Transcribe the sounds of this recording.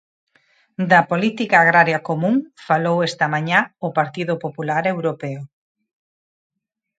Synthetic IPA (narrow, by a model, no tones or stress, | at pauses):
d̪ɐpolit̪ikaːɣ̞ɾaɾjɐkomũŋfalowest̪ɐmaɲaʊpaɾt̪iðʊpopulaɾewɾopeʊ